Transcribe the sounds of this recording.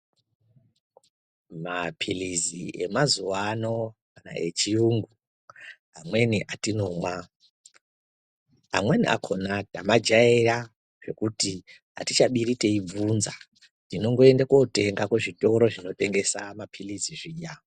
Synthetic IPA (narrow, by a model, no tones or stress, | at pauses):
mapʰiliziʔe̞mazuwano̞kana̰ʔe̞̰t͡ʃijuːŋɡu | amwe̞niʔatino̞mwa | a̰mwe̞niʔa̰kʰo̞natamad͡ʒaira | ʐ̥e̞kuti | ɦa̰tit͡ʃaɓiɾite̞ib͡vunza | tino̞ŋɡo̞e̞ndakote̞ŋɡakweʐito̞ɾo̞ʐino̞te̞ŋɡe̞samapʰiliziʐiːʄa